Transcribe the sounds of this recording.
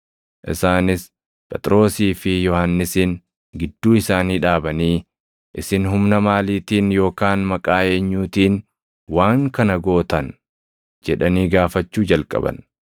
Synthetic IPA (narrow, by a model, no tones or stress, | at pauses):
ʔɪ̰saːnɪs | pʼɛt̪ʼɾo̞ːsiːfɪjɔhanːɪsiːn | ɡɪd̪ːuːɪsaːniːᶑaːbɐniː | ʔɪsɪnɦʊmnɐmaːliːt̪iːnjo̞ːkaːnmɐkʼaːe̞ːɲːuːt̪iːn | waːŋkɐnɐɡo̞ːt̪ɐn | d͡ʒɛᶑɐniːɡaːfɐt͡ʃːuːd͡ʒɐlkʼɐ̰bɐ̰n